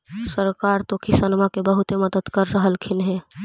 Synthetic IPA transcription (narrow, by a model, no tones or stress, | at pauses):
səɾkaɾt̪okʰisənmakebəɦut̪eməd̪əd̪kəɾːəɦəlkʰɪnɦɛ̃